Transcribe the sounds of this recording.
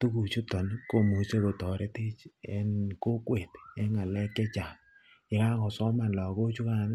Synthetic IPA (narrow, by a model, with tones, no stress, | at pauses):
tu˦ku˨t͡ʃu˦tɔ˨nko˨mu˨t͡ʃe˦bo˨tɔ˨ɾe˦ti˦t͡ʃɛ˨nko˦kwe˨te˦ŋa˨lɛ˦kːɛ˦t͡ʃa˨ | jɛ˨ka˦kɔ˨sɔ˦ma˨n˨lɔ˨ko˦t͡ʃu˦ka˨n˦